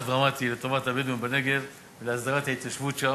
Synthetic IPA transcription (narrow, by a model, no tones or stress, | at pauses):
d̪ʁamat̪ilet̪ovat̪abed̪mumbaneɡe̞v | veleazd̪aʁat̪hait̪kaʃvut̪ʃa